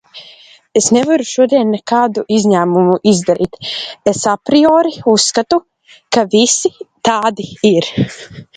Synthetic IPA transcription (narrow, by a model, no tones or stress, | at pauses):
esnɛvaɾuʃuɔd̪iɛnːɛkaːd̪uʔizʲɲæːmumuʔizd̪aɾḭːt̪esapɾiɔːɾiusːkat̪u | kavisit̪aːd̪iiɾ